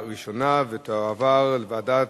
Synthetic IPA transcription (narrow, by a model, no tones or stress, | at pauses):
ʁiʃonavet̪oavaʁlevadat